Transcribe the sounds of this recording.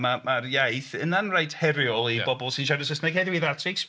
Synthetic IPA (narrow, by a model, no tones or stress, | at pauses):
mamarjajθənanrajtʰhɛɾjɔlˠibɔbɔlˠsɪnʃaɾəsəsnaɡheðwiðatʰɪks